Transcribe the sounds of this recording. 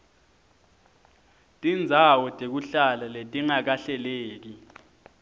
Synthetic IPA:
tʼind͡zʱawɔtʼek̬uɬalaletʼiŋak̬aɬɛleːk̬i

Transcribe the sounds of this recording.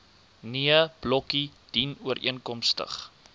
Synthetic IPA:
niəb̥lɔkid̥inuəɾʔḭənkɔmstə̰χ

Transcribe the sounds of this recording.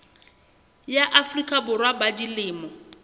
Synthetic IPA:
jaʔafrikʼabʊrwabadilɪːmɔ

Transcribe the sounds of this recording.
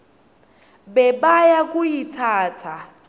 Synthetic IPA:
bɛbajakʼujit͡sʰaːt͡sʰa

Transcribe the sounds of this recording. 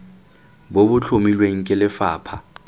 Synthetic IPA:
bobʊt͡ɬʰomilweŋ̩kʼɪlɪfaːpʰa̰

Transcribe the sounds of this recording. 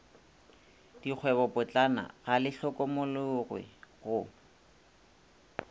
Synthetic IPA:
d̥ik͡xʰwɛbɔpʼʊt͡ɬʼana̰ɣalɪɬɔkʼɔmʊlʊɣwɪ̰ɣʊ

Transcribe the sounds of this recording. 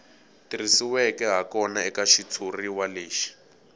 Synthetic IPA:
tirisiwɛkɛɦakɔnaɛkaʃitʰuriwaleːʃi̥

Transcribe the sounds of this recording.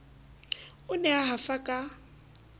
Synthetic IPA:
ʊnɛaɦafakʼa

